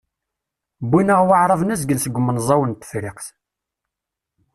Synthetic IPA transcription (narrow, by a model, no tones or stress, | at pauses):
bːinəʁwaʕɾˤəvˤnæs̬ɡəlsəɡʷːmənzˤɑwənt̪ːə̥fɾɪqθ